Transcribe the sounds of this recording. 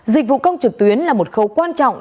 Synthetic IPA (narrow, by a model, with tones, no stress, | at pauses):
zï˨˩k̟̚vṵ˧˨kə˧wŋ͡mt͡ɕɨ˨˩k̚t̪wi˨˦ənlaː˨˩mo˨˩t̚xə˨˦wkwaː˧nt͡ɕɔ̰˧˨ŋ͡m